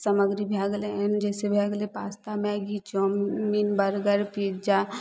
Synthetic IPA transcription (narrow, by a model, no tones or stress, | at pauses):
səməɡɾibʱjaːɡleɛnd͡ʒɛːsebʱjaːɡlepaːst̪amẽɡit͡ʃomminbəɾɡəɾpiɾd͡ʒa